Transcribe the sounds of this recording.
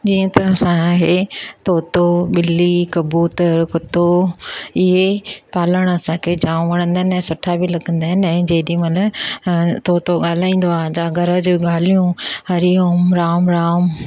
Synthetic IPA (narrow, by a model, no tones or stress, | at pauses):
d͡ʑiːə̃t̪ɐɾəfsãaːɦet̪ʰoːt̪oɓɪlːikɐbuːt̪əɾkʊt̪o | ɪɦepaːləɽ̃ɐsãkʰed͡ʑãːʋɐɽ̃ə̃nd̪anəsʊʈʰabʱilɐɡə̃nd̪aːɦɪnɛ̃d͡ʑeːd̪imɐt̪lə | t̪ʰoːt̪oɠaːl̤aːĩːn̆d̪oãːd͡ʑaɡʱɐɾəd͡ʑɠaːl̤ijũhɐɾiʊmɾaːmɾaːm